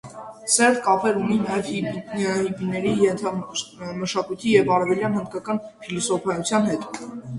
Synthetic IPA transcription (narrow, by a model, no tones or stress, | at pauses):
sɛrd̪kɑpɛɾhuninɑjɛvhihibinɛɾijɛnt̪ʰɑməʃɑkujt̪ʰijɛvɑɾɛvɛljɑnhənd̪̚kɑkɑnfʰilɔsɔpʰɑjut͡sʰjɑnɦɛt̪